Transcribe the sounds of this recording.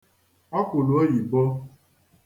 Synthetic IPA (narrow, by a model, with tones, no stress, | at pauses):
ɔ˦ko˨lu˨ɔ˦ji˨bɔ˦